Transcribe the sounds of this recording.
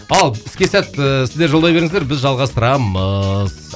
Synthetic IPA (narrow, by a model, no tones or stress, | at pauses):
ɑlˠɪskʲe̞sæt̪sɪzd̪e̞ɾʒolˠd̪ɑjbe̞ɾɪŋɪzd̪eɾbɪzʒɑlˠʁɑst̪əɾɑməz̥